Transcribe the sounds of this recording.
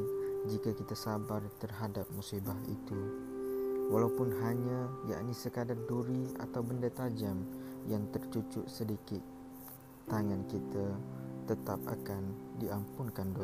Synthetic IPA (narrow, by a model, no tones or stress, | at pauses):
d͡ʒikakit̪asabart̪ərɦadap̚musibaɦḭt̪u | walaupʊnɦaɲaja̰ʔnisəkadarduɾia̰t̪awbəndat̪ad͡ʒamjaŋt̪ərt͡ʃut͡ʃʊʔsədikɪt̪̚ː | aŋankit̪at̪ət̪ap̚a̰kandiʔampʊŋkando